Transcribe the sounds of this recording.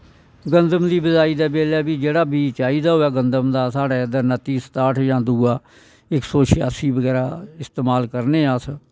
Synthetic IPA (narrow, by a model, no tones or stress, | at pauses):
ɡənd̪əmd̪iːbəzaːiːd̪aːbeːlɛːbiːd͡ʒeːɽaːbiːt͡ʃaːiːd̪aːɦoːɛːɡənd̪əmd̪aːsaːɽaːəd̪əɾnət̪iːsə̥t̪aːʈʰjãːd̪uːaː | ɪksoːʃɪaːsiːbəɡɛːɾaːɪst̪eːmaːlkəɾneːaːs